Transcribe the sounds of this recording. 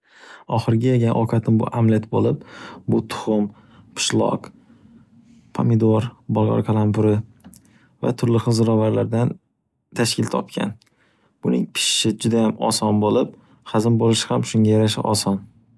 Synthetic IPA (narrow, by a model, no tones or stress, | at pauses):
ɒχɨɾɡʲajeɡʲanʔɒkʰat̪ʰɪmbʊ̰ʔamlet̪bolɪp̚bʊt̪ʰʊ̥χʊm | pʰɪ̥ʃlˠɒ̰q | pʰa̰mɪd̪oɾbɒlˠʁɑ̰ɾkʰalˠampʰʊɾɪ | va̰t̪ʰʊɾlɪχɨzɾɒvaɾlaɾd̪an | t̪ʰaʃkʲɪlt̪ʰɒ̰pkʲʰa̰n | b̥ʊnɪ̰ŋpʰɪ̥ʃːɪd͡ʒʊd̪ajamɒ̰sɒnbolɪp̚ | χazɪmbolˠɪʃhamʃʊŋʲajaɾaʃɪ̰ʔɒsɒn